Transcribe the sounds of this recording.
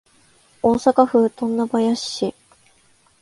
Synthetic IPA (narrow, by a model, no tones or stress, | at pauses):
oːsakaɸɯ̟ːt̪õnːabajaɕːi